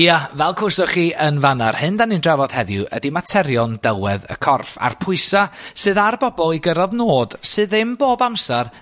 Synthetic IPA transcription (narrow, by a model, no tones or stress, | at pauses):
iavɛlˠkʰʊsɔχiːʔənvanarhɨndanindravɔð̥hɛðjʊ̰ʔə̰dimatʰɛɾjɔndɛwɛðə̰kʰɔrfa̰rpʰʊɨsasɨːðarbɔbɔlˠiɡəɾɔðnoːd̥sɨːðɪmboːbamsar